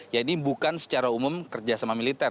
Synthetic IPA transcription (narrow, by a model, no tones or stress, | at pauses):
jainibukansə̥t͡ʃaɾaumʊmkərd͡ʒasamamilit̪ɛr